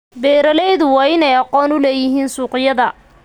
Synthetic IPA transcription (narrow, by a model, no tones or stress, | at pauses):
bɛːɾɐlɛjðʊwɑːɪnɛjɑqɔːnʊlɛːjɪɦiːnsuːqɪjɐðɐ